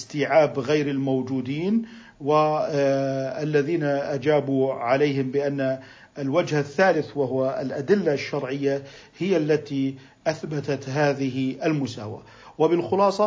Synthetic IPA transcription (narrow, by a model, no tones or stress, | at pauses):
st̪iːʕaːbɣajɾɪlmowd͡ʒuːd̪iːn | wɪ | alːaðiːnaʔad͡ʒaːbuʕalaːɦɪmbɪʔanːa | lwad͡ʒhaθːaːlɪθwaɦʊwalʔad̪ɪlːaʃːɑɾˤʕɪjːa | hɪjːalːat̪i | ʔaθbat̪at̪ɦaːðɪɦɪʔalmʊsaːwa̰ | wɪbɪlxʊlɑːsˤɑ